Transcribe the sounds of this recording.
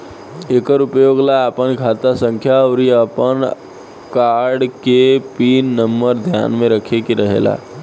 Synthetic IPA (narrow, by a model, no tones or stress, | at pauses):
ekəɾupjoɡlaːpənkʰat̪asə̃ŋkʰjawɾiəpən | kaɾɖkepinːəmːəɾd̪ʱja̰nmẽɾəkʰekiɾəɦḛla̰